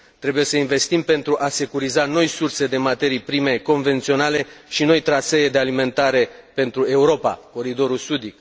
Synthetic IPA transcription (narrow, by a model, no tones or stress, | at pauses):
t̪ɾe̞buje̞səinve̞st̪impe̞nt̪ɾuʔase̞kuɾizano̞jsurse̞d̪e̞mat̪e̞ɾijpɾime̞ko̞nve̞nt̪sio̞nale̞ʃino̞jt̪ɾaseed̪e̞alime̞nt̪aɾe̞pe̞nt̪ɾue̞uɾo̞pa̰ko̞ɾid̪o̞ɾulsud̪ik